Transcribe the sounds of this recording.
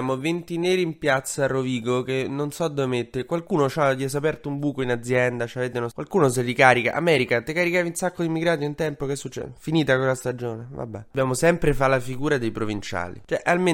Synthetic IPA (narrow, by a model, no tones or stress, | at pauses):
aːmovent̪ineːɾiːmpjat̪sːaroviːɡokenːonsɔd̪ːovemet̪ːekwalkuːnot͡ʃat̪iɛs̬apɛrt̪oumbuːkoinad̪zjɛnd̪at͡ʃavet̪enokwalkuːnos̬elːikaːɾika̰ʔa̰mɛːɾikat̪ekaɾikaːviunsakːod̪imːiɡɾaːt̪̬joint̪ɛmpokɛsːut͡ʃːɛ̰finiːt̪akwelast̪ad͡ʒoːneva̰bːɛ̰bjaːmosɛmpɾefalːafiɡuːɾad̪ejpɾovint͡ʃa̰ːlḭt͡ʃoɛʔalme